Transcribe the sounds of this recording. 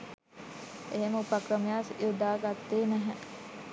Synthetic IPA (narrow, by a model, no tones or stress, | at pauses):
eɦeməupɐkɾəmjaːsjʔud̪ʱaːɡat̪ːeːnɛɦɛ̃